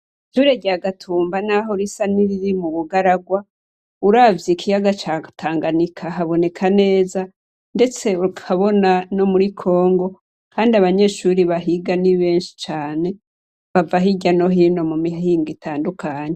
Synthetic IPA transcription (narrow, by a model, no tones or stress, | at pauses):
ʃuɾeɟaɡatʰuːmbanaɦo̞ɾisaniɾiɾimuβuɡaɾaɡwa | uɾaːvjikʰijaɡat͡ʃatʰaːŋɡanikʰaɦaβo̞ne̞kʰane̞ːza | nde̞t͡se̞ukʰaβo̞nano̞muɾikʰo̞ːŋɡo̞ | kaːndiaβaɲe̞ːʃuɾiβaɦiɡaniβe̞ːnʃi̥t͡ʃaːne̞ | βavaɦiɟano̞ɦiːno̞mumiɦiːŋɡitʰaːndukʰaːɲe̞